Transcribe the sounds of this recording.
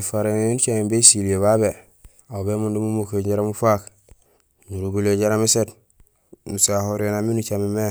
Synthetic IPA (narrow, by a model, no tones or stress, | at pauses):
faɾeunut͡ʃamimbesilijeβabe | abemundumumokeɟaɾamufak | nuɾuɡuleɟaɾamiset | nusahoɾenaminut͡ʃamime